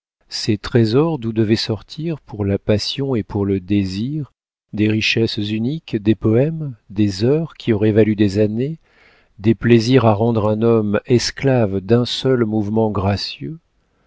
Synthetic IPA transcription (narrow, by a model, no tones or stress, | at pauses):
set̪χezɔʁd̪ud̪əvɛsɔʁt̪ʰiʁpʰuʁlapasjɔ̃epʰuʁləd̪eziʁ | d̪eʁiʃɛszynikd̪epɔɛmd̪ezœʁkʲʰiɔʁɛvalyd̪ezane | d̪epleziʁaʁɑ̃d̪ʁɛ̃nɔmɛsklavd̪ɛ̃sœlmuvmɑ̃ɡʁasjø